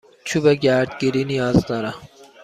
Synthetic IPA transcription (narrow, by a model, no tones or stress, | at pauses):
t͡ʃʰubeɟæɾd̪ɡiɾinijɒːzd̪ɒɾa